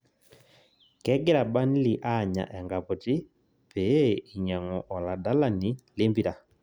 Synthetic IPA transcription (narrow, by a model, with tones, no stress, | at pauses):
kɛ˦ɡe˦ɾa˨ba˦ni˦li˨ʔa˦˨ɲa̰˨ʔɛ˨ŋɡa˨pɔ˨ti˦ | pe˨˦i˨ɲa˨ŋɔ˨ʔɔ˨la˨da˦la˦ni˨˦le˦mbi˨ɾa˨